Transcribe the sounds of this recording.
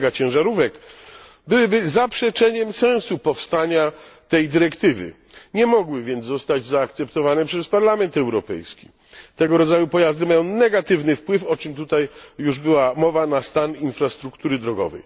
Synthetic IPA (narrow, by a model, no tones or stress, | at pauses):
ɡat͡ɕɛ̃w̃ʐaɾuvɛk | bɘwɘbɘzapʂɛt͡ʂɛɲɛmsɛ̃w̃supɔfst̪aɲat̪ɛjd̪ɘɾɛkt̪ɘvɘ̰ | ɲɛmɔɡwɘvʲjɛnd̪zzɔst̪ad͡ʑzaːkt̪sɛpt̪ɔvanɛpʂɛspaɾlamɛnt̪ɛwɾɔpɛ̰jskʲi | t̪ɛɡɔɾɔd̪zajupɔjazd̪ɘmajɔ̃w̃nɛɡat̪ɘvnɘfpwɘfɔt͡ʂɘmt̪ut̪ajːuʐbɘwamɔvanast̪aninfɾast̪ɾukt̪uɾɘd̪ɾɔɡɔ̰vɛ̰j